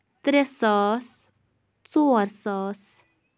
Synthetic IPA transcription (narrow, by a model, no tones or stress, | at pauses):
t̪ɾesɑːs | t͡suaɾsɑːs